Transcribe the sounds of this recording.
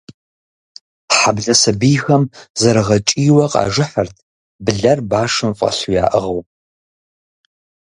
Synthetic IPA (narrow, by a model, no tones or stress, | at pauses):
ħabɮɐsɨbiːxɐmzɐɾɨʁɐt͡ʃʼiːwɐqʼɑ̰ːʒɨħərtʰ | bɨɮɐrbaːʂɨmfʼɐ̰ɬujaːʔɨʁɐwʼ